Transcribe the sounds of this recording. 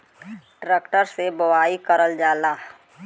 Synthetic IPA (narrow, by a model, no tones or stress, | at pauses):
ʈɾeːkʈəɾsebəwaːikəɾəld͡ʒaːlaː